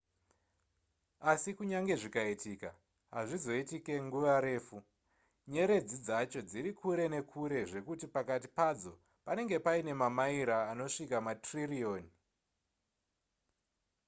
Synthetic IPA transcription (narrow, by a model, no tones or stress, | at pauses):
asikuɲaŋɡe̞ʐikaitiːka | ɦaʐizo̞itike̞ŋɡuʋaɾe̞ːfu | ɲe̞ɾe̞d͡zid͡zat͡ʃo̞d͡ziɾikʰuɾe̞ne̞kʰuɾe̞ʐe̞kutipakati̥pad͡zo̞ | pane̞ŋɡe̞paine̞mamaiɾaːno̞ʂikamatririo̞ːni